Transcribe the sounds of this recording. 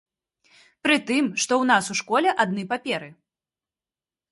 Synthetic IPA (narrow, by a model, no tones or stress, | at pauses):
pɾɨt̪ɨmʂt̪ɔwnasuʂkɔlʲɛʔad̪̚nɨpapʲɛɾɨ